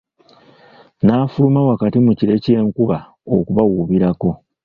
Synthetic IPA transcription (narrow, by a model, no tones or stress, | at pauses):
naːfulumawakatimuciɾe̞ce̞ːŋkuβa | o̰kuβawuβiɾako̞